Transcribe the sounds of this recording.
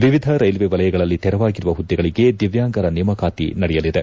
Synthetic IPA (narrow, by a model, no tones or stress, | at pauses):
ʋiʋid̪ʱɐɾɐjlʋeʋɐlɐjɐɡɐɭɐlːit̪ɛɾɐʋaːɡiɾuʋɐɦud̪ːɛɡɐɭiɡe̞d̪iʋjaːŋɡɐɾɐnimɐkaːt̪ḭnɐɽɛjɐlid̪e